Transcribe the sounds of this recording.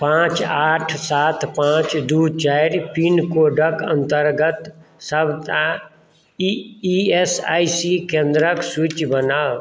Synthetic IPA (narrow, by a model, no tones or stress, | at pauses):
pãːt͡ʃaːʈʰsaːt̪ʰpãːt͡ʃd̪ut͡ʃaːiɾpinkoːɖəkə̰̃nt̪əɾɡət̪səbt̪a | iesaːisikẽnd̪ɾəksut͡ʃbənaː